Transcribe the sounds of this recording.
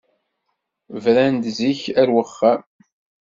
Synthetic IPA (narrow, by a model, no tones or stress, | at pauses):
vɾænd̪ziçæɾwəχːæm